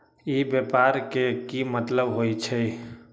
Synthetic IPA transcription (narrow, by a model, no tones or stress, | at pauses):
ibjepaɾkekimət̪ləbɦojt͡ʃʰɛ